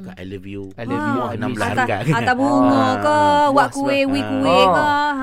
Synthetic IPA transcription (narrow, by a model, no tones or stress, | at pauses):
aaat̪abuŋɔkɔwaʔkuewikuekɔ